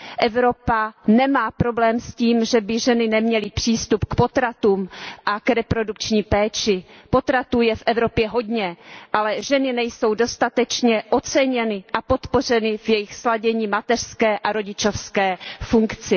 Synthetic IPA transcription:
ʔɛvɾo̞panɛmaːpɾo̞blɛːmsciːmʒɛbɪʒɛnɪnɛmɲɛlɪpr̝̥iːst̪upkpo̞t̪ɾat̪uːmʔakɾɛpɾo̞dukt͡ʃɲiːpɛːt͡ʃɪpo̞t̪ɾat̪uːjɛfʔɛvɾo̞pjɛɦo̞dɲɛʔalɛʒɛnɪnɛjso̞wdo̞st̪at̪ɛt͡ʃɲɛʔo̞t͡sɛɲɛnɪʔapo̞t̪po̞r̝ɛnɪvjɛjɪxslaɟɛɲiːmat̪ɛr̥skɛːʔaɾo̞ɟɪt͡ʃofskɛːfuŋkt͡sɪ

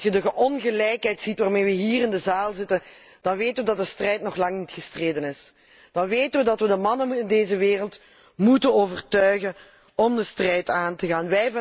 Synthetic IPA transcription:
sjədəɣəʔɔnɣəlɛjkɦɛjtsitʋaːrmeːʋəɦiːrɪndəzaːlˠzɪtən | d̥ɑnʋeːtənʋədɑt̚dəstrɛjtnɔχlɑŋnitxəstreːdənɪs | d̥ɑnʋeːtənʋədɑtʋədəmɑnənɪndeːzəʋeːrəlˠt | mutənoːvərtœɥɣən | ɔmdəstrɛjtaːntəɣaːnʋɛjv

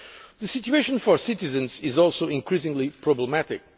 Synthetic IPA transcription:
ðɨsɪtueɪʃə̃nfɔɹsɪtɨzɨ̃nzɪzɔlˠsoʊɪ̃ŋkɹisɪ̃ŋlipʰɹɔbləmætɪ̰k̚

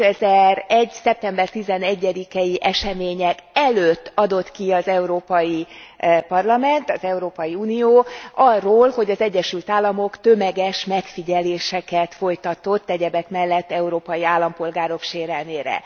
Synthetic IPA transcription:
øɛzɛɾɛɟsɛp̚t̪ɛmbɛrt̪izɛnɛɟːɛd̪ikɛjiʔɛʃɛmeːɲɛkɛløt̪ːɒd̪o̞t̪kiɒzɛuɾoːpɒjipɒrlɒmɛnt̪ɒzɛuɾoːpɒjiuːnijoːɒrːoːlho̞ɟɒzɛɟːɛʃylt̪aːlːɒmo̞kt̪ø̞mɛɡɛʃmɛkfiɟɛleːʃɛkɛt̪fo̞jt̪ɒt̪o̞t̪ːɛɟɛbɛkmɛlːɛt̪ːɛuɾoːpɒjiaːlːɒmpo̞lɡaːɾo̞kʃeːɾɛlneːɾɛ̰

